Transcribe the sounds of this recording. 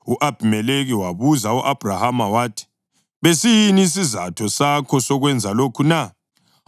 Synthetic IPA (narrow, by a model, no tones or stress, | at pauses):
uʔab̥ʱimɛleɣiwaβuzauʔab̥ʱrahamawaːtʰi̥ | βesijiniːs̬izatʰɔsakʰɔsɔɣwɛnd͡zʱalokʰuna